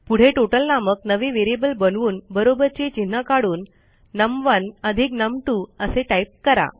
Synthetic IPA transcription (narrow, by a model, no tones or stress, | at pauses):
puɽ̤eʈoʈəlnaməknəʋeʋeɾebəlbənʋuːnbəɾobəɾt͡ɕet͡ɕin̤ːəkaɽuːnː | əmʋənəd̪ʱiknəmʈuəseʈaip̚kəɾa̰